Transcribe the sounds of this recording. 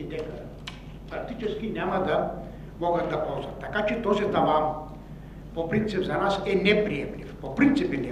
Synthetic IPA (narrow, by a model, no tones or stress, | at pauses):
id̪ɛkɐ | pɾɐk̚t̪it͡ʃɛskinʲjamɐd̪ɐ | mɔɡɐt̪̚d̪ɐpɔlˠzɐt̪t̪ːakat͡ʃɛt̪ɔzid̪ɐla | popɾint̪sipzanasɛnɛpɾiɛmlʲifpopɾint̪sipɛnɛ